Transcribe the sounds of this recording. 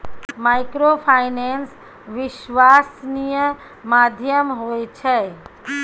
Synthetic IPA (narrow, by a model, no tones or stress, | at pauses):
maːɪkɾopʰainens | ʋɪʃʋasnijə | maːd̪ʱjəmɦoet͡ʃʰɛ